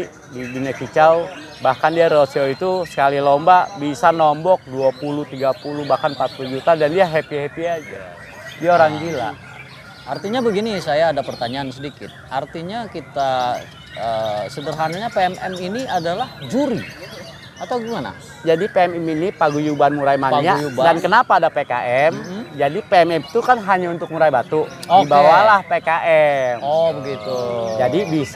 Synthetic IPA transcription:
dibinakit͡ʃaw | bahkandiaɾoseoit̪usə̥kalilɔmbabisanɔmbɔk̚duapulut̪iɡapulubahkanpat̪ud͡ʒut̪adandiaɦepiepiad͡ʒa | diaoɾaŋbila̰ʔ | ʔart̪iɲabəɡinisajaːdapərt̪aɲaːnsədikɪ̰t̪̚ʔart̪iɲakit̪a | əsədərɦanaɲapeɛmʔɛminiadalahd͡ʒuɾi | at̪awɡuŋana̰ | d͡ʒadipeɛmɛminipaɡujubanmuɾajmaɲaubdankənapaːdapeka̰ʔɛmd͡ʒadipeɛmɛmt̪ukanɦaɲaunt̪ʊk̚muɾajbat̪uɔibawalahpekaʔɛmɔbəɡit̪ud͡ʒadibis

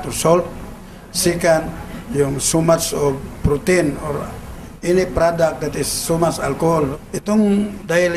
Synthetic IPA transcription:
t̪usɔlt̪̚ | sikanjuŋsumat̪sɔbpɾut̪inoɾa | inipɾadak̚d̪ɛt̪isːumat̪salkoɦɔlit̪uŋdail

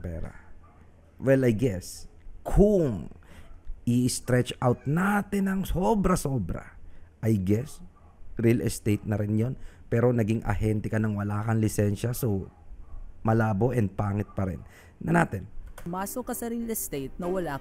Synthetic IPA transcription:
pɛ̰ːɾɐ̰ | wɛlɐjɡɛskʰʊŋ | ʔɪst̪ɾɛt͡ʃawt̪̚nat̪ɪnɐŋso̞bɾɐso̞bɾɐ̰ʔɐjɡɛs | ɾilɛst̪ejt̪̚nɐɾɪnjo̞npɛːɾo̞nɐɡiŋʔɐ̰hɛnt̪ɛkɐnɐŋwɐlaːkɐnlɪsɛnʃɐso̞ | mɐlaːbo̞ʔɛnd̪̚paːŋɪt̪̚pɐɾɛ̰nː | ɐnaːt̪ɛnmaːsokɐsɐɾilɛst̪ejt̪̚nɐwɐlaː

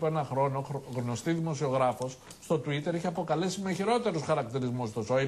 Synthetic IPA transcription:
penɐxɾo̞noɣno̞st̪iðimo̞sio̞ɣɾɐfo̞s | st̪o̞t̪uit̪e̞ɾeçeɐpo̞kɐle̞simeçiɾo̞t̪e̞ɾosxɐɾɐkt̪iɾizmust̪osoi

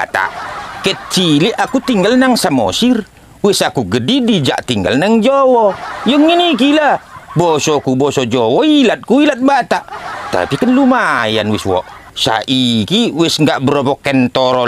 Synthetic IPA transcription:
at̪a̰ʔkɛt̪̚t͡ʃiliʔakut̪iŋɡalnaŋsamɔ̰sir | wɪsakuɡədidid͡ʒa̰ʔt̪iŋɡa̰lnaŋd͡ʒɔwɔjəŋːinikilabɔsɔkubɔsɔd͡ʒɔwɔilat̪̚kuilat̪̚bat̪aʔt̪a̰pikənlumaja̰nwɪswɔ̰ʔ | sa̰ʔikiwɛsŋɡaʔbəɾɔpɔkɛnt̪ɔɾɔ

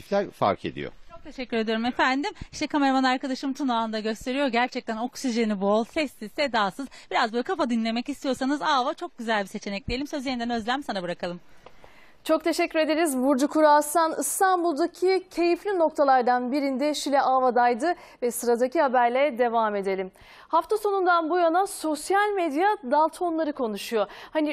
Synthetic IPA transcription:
iflʲæɾfa̰ɾkʰe̞̰d̪ḭjo̰t͡ʃt͡ʃʰok̚t̪ʰe̞ʃɛcːyɾe̞d̪ijo̞ɾumefænd̪imiʃt̪ɛkʰame̞ɾamanaɾkad̪aʃɯmt̪ʰunaaɯnd̪aɟø̞st̪ʰe̞ɾijo̞ɟæɾt͡ʃʰɛc̚t̪ʰæno̞ksiʒenibuolˠsɛst̪isɛd̪aːsɯzb̥iɾazbølʲikʰafad̪inlʲe̞mɛcist̪ʰijo̞sanɯzaːvat͡ʃʰo̞k̚ɟyzælʲbise̞t͡ʃʰe̞nɛc̚d̪ʲeelʲimsø̞zʲeind̪ænø̞zlʲæmsanabɯɾakʰalˠɯm | t͡ʃʰo̞k̚t̪ʰe̞ʃɛcːyɾe̞d̪eɾizbuɾd͡ʒukʰuɾasanɯst̪ʰanbulˠd̪acʰicʰe̞jiflʲino̞k̚t̪ʰalˠaɾd̪anbiɾind̪ɛʃilʲɛʔavad̪ajd̪ɯ | vɛsɯɾad̪acihabæɾlʲɛd̪e̞vaːme̞d̪e̞lʲim | haft̪ʰasonund̪anbujanaso̞sjalʲmed̪jad̪alˠt̪ʰo̞nlˠaɾɯkʰo̞nuʃujo̞hani

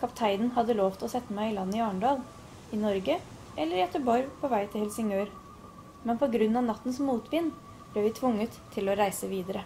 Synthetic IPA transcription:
kʰɑpt̪ʰæɪd̪n̩ɦɑd̪ːəloːʋt̪ʰɪlɔsɛt̪ːəmæɪɪlɑnːəɪɑːəɳɖɑːl | ɪnɔɾɡə | ʔɛlːəɾjɛt̪əbɔɾpʰɔʋæɪt̪ʰɪlhɛlsɪŋøːɾ | mɛnpʰɔɡɾʉnːɑʋnɑt̪ːn̩smuːt̪ʰʋɪn | b̥leːɾʋɪt̪ʰʋʊŋːət̪ʰːɪlɔɾæɪsəʋiːd̪əɾə

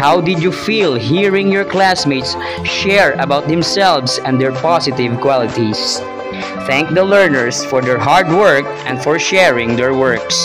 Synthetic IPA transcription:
hawd̪ɪdjufilˠɦiɹɪ̃ŋjɔɹklæsmet̪s | ʃɛɹɐbawt̪̚d̪ɛ̃msɛlvsɛ̃nd̪ɛɹpɑsɪt̪ɪvkwalɪt̪is | θæ̃ŋk̚d̪əlɛɹnəɹsfɔɹd̪ɛɹɦaɹdwɜɹk | ɛ̃nfɔɹʃɛɹɪ̃ŋd̪ɛɹwɜɹks

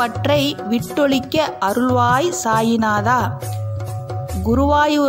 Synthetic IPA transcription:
ɐʈrɐɪʋɪʈːɔɭɪkːɐʔɐɾɯɭʋaːjsaːjɪnaːðaː | ɡʊɾʊʋaːjɯ

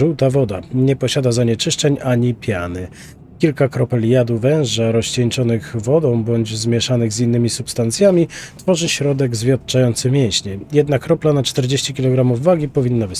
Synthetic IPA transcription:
uwt̪avɔd̪aɲɛpɔɕad̪azaɲɛt͡ʂɘʂt͡ʂɛɲaɲipʲjanɘ | kʲilkakɾɔpɛlʲjad̪uvɛ̃w̃ʐaɾɔɕt͡ɕɛɲt͡ʂɔnɘɣvɔd̪ɔ̃w̃bɔɲd͡ʑzmʲjɛʂanɘɣzinːɘmʲisupst̪ant̪sʲjamʲit̪fɔʐɘɕɾɔd̪ɛɡzvʲjat̪̚t͡ʂajɔnt̪sɘmʲjɛw̃ɕɲɛjɛd̪nakɾɔplanat͡ʂt̪ɛɾd͡ʑeɕt͡ɕikʲilɔɡɾamuvːaɡʲipɔvʲinːabɘs

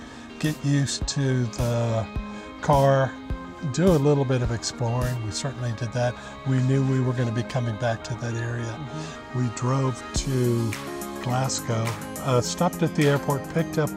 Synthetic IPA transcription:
ɡ̥ɛʔjʉstʰɨðə | kʰɑɹ | dɨəlɪɾl̩ˠbɪɾʌvɨksplɔɹɪ̃ŋwisɜ˞ʔn̩lidɨd̪̚ðɨt̚ | winjʉwiwə˞ɡʌñɨbikʰʌmɪ̃ŋbæk̚tʰɨðɨɾɛɹiɨ | widɹoʊv̥tʰɨ | ɡ̥læskoʊ | stɑp̚tɨt̪̚ðiɛɹpʰɔɹt̚pʰɪk̚tʌp̚

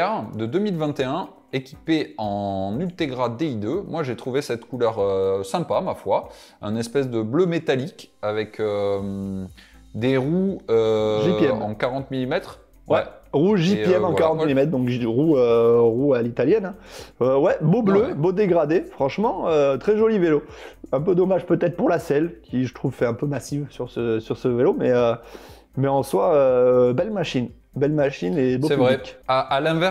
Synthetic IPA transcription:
ɛʁd̪əd̪ømilvɛ̃t̪eɛ̃ | ekʲipeɑ̃nylt̪eɡʁad̪eid̪ømwaʒet̪χuvesɛt̪kulœʁøsɛ̃pamafwa | ɛ̰̃nɛspɛs̬d̪əblømet̪alikavɛkʰø | d̪eʁuøʒiɛmɑ̃kaʁɑ̃t̪milimɛt̪χ | wɛʁuʒipjɛmɑ̃wkaʁɑ̃t̪milimɛt̪χd̪ɔ̃kʒʁuøʁualit̪aljɛnɛ̃øwɛbobløbod̪eɡʁad̪efχɑ̃ʃmɑ̃øt̪χɛʒɔliveloɛ̃pød̪ɔmaʒpøt̪ɛt̪χpuʁlasɛlkʲiʒət̪χuvfɛɛ̃pømasivsyʁsəsyʁsəvelomɛø | mɛɑ̃swaøbɛlmaʃin | bɛlmaʃinebosɛyvʁɛkaalɛ̃vɛʁ

